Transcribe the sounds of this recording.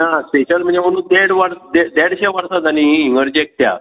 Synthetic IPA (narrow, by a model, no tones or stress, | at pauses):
naspeɕəlm̤əɳd͡zem̤əɽ̃ũːnd̪ɛɽʋaɾd̪ɛd̪ɛɽɕɛʋaɾsad͡z̪alĩɦĩŋɡəɾd͡ʑek̚t̪ja̰